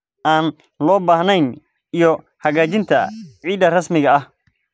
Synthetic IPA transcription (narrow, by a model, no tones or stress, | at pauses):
ʔaːn | lɔːbaːhnɛjn | ijɔ | hɐɣaːt͡ʃɪnt̪ʰɐʕiːd̪ɐrɐsmɪɣɐɐh